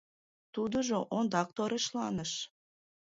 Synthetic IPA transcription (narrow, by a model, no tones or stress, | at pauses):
t̪ud̪ə̆ʒoʔond̪ɑk̚t̪oɾeʃlɑnəʃ